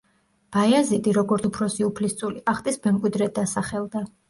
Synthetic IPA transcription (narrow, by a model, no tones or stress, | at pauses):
b̥ajazid̪ʼiɾɔɡɔɾt̪ʰupʰɾɔsiupʰlist̪sʼuliʔaχt̪ʼismɛmkʼwid̪ɾɛd̪asaχɛlˠd̪a